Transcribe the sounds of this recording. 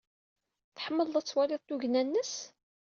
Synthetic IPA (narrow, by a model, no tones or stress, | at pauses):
θəħəmːəlðæt͡sːwalɪðˤt̪uʝnænːəs